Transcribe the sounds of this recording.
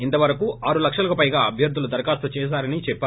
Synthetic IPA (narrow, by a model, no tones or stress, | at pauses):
int̪ɐʋɐɾɐkuːʔaːɾulɐkʂɐlɐkupɐjɡaːɐbʱjɐɾd̪ʱːulud̪ɐɾkaːst̪ːɐt͡ʃɛːs̬aːɾɐnit͡ʃɛpːaː